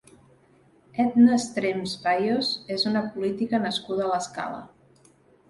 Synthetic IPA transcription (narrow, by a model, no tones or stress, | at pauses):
ɛd̪nəst̪ɾemspajozezunəpulit̪ikənəskuðəːləska̰lə̰